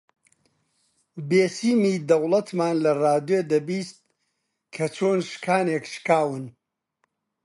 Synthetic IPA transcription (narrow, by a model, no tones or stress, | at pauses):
beːsiːmiːd̪ɐwlˠɐt̪maːnlɐraːd̪ed̪ɐbiːst̪̚ | kʰɐt͡ʃʰoːnʃkʰaːnekʃkaːwɨn